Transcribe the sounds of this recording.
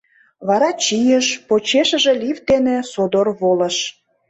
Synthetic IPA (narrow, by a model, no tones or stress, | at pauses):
βɑɾɑt͡ɕijəʃpot͡ɕeʃə̆ʒe̽lʲivt̪enesod̪orβolə̆ʃ